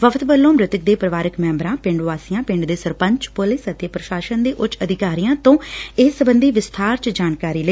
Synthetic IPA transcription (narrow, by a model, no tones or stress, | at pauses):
ʋəfʰt̪ʋəlːõːmɾɪt̪ək̚d̪eːpɾəʋaːɾɪkmɛ̃ːmbɾãːpɪ̃ɳɖʋaːsijãːpɪ̃ɳɖd̪eːsəɾpəɲt͡ʃpʊlɪsət̪eːpɾəʃaːʃənd̪eːʔʊt͡ʃəd̪ʱɪkaːɾijãːt̪õːɪsəbənd̪iːʋɪst̪ʰaːɾt͡ʃd͡ʒaːnkaːɾiːləiː